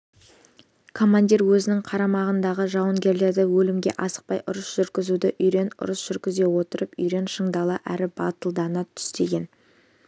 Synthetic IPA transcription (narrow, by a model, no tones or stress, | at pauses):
kʰo̞mand̪ʲiɾwɵzɪnɪŋqʰɑɾɑmɑʁənd̪ɑʁəʒɑwəŋɡʲe̞ɾle̞ɾd̪ɪwɵlɪmɡʲe̞̰ʔɑsə̥q̚pɑjʔʊɾəsʒ̥ʏɾɡʲɪzud̪ɪʔʏjɾe̞nʊ̰ɾəsʒ̥ʏɾɡʲɪze̞wo̞t̪əɾəpʏjɾe̞nʃəɴd̪ɑlˠəʔæɾɪbɑt̪əlˠd̪ɑnɑt̪ʰʏ̥st̪e̞ɡʲe̞n